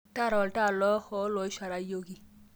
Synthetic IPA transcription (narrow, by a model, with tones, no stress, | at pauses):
ta˦˨ɾɔ˨lʈa˦˨lɔ˦hɔ˦lɔ˨i˦ʃa˨ɾa˦jo˦ɡi˨